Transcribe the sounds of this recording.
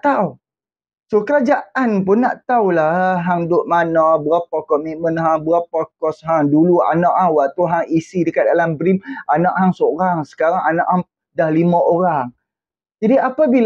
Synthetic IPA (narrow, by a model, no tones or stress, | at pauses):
t̪au | sokəɾad͡ʒaʔanpʊnːaʔt̪aulahɦaŋdʊʔ̚manabəɾapakɔmit̪̚mə̃nɦaŋbəɾapakɔsɦaŋdulua̰naʔhaŋwat̪uɦaŋisidəkat̪̚dalambɾimanaʔhaŋsoɾaŋsə̥kaɾaŋanaʔhaŋ | dahlimãʔoɾaŋ | d͡ʒadiapabil